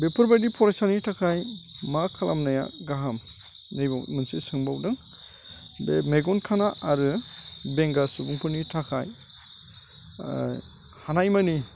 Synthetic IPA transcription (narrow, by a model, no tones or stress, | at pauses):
bepʰɯɾbajdipʰɔɾajsanitʰakʰajmakʰalʔa̰mnaja̰ɡaɦam | nejba̰wmɯnsisɯŋbawdɯŋ | bemeɡɔnkʰanaʔaɾɯbeŋɡasubuŋpʰɯɾnitʰakʰa̰j | hanajmani